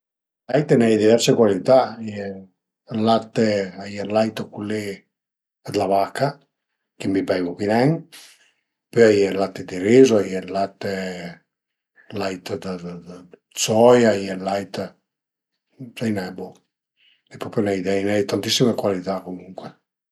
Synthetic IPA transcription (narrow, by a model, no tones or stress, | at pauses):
lajt̪enɛjd̪ivɛɾsekwalit̪aajɛ | lat̪ːeajelajt̪əkulːe | ad̪lavakʰːa | k̟imibɛjɡokinɛŋ | pøajɛlat̪ːed̪iɾizoajɛlat̪ːe | lajt̪d̪ə | sɔjajɛlajt̪ | sajnɛbo | epɾɔpjonɛjd̪ɛjnɛjt̪ant̪isːimekwalit̪akomuŋkwe